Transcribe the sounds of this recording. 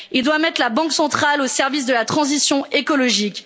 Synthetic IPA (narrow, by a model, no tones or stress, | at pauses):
ild̪wamɛt̪χlabɑ̃ksɑ̃t̪χalosɛʁvis̬d̪əlat̪χɑ̃zisjɔ̃ekɔlɔʒikʲ